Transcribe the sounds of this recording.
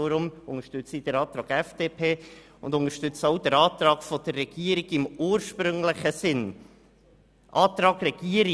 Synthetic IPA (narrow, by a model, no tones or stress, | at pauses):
ɾʊmʊŋəʃtʏt͡sid̥əɾɑːt̪ɾɑːɡɛfd̥eːpʰeː | ʊ̰nd̪ʊŋəɾʃtʏt͡sowd̥̪əɾɑːt̪ɾɑːɡfɔd̥̪ərːɛɡ̥iəɾiɡɪmuːɾʃpɾʏŋləχəsɪn | ʔɑːt̪ɾɑːɡrɛɡ̥iəɾi